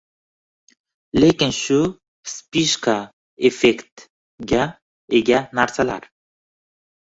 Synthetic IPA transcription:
lekenɕu | spiʃka | efekt̪ | ɡa | eɡanaɾsala̰ɾ

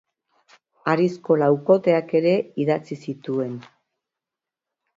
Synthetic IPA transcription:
aɾisko̞lawko̞t̪e̞ake̞ɾe̞iðat͡sisit̪ue̞n

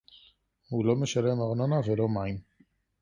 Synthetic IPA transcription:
hulo̞me̞ʃale̞maʁno̞navelo̞maim

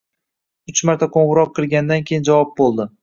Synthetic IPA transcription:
ʊt͡ʃmaɾt̪ʰakʰoɴʁʊɾɒqʰːɨlˠɡʲanɪd̪ankʲʰejɪnd͡ʒavɒp̚bolˠd̪ɪ

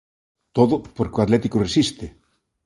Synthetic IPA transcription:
t̪oðopoɾkoat̪lɛt̪ikoresist̪e

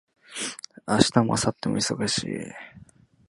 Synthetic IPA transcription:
aɕi̥t̪amoasat̪ːe̞moiso̞ɡaɕḭː

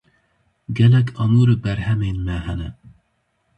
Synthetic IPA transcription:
ɡɛlɛkʰɑmuːɾɨbɛɾhɛmeːnmɛɦɛnɨ̰n

